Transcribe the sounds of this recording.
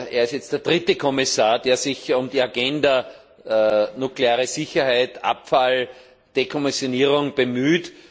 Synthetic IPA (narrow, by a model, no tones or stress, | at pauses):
ʔeːɐɪstjɛt͡st̚d̥eːɐd̥ʁɪtəkʰɔmɪsaːɐd̥eːɐsɪçʊmdiːaɡɛndɐ | nukleaːʁəsɪçɐhæɪtʔa̰pfal | d̥ekʰɔmɪsjoniːʁʊŋb̥əmyːt